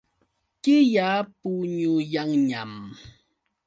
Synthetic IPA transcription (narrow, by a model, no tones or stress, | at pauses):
kɪjapuɲujaŋɲam